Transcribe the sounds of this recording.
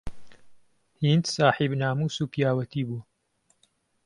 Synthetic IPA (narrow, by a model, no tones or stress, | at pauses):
hind̪saːħibnaːmuːsuːpijaːwɐt̪iːbuɐ